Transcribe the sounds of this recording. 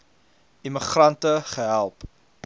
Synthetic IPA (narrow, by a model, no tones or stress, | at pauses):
iməχrɐntəχəɦælˠp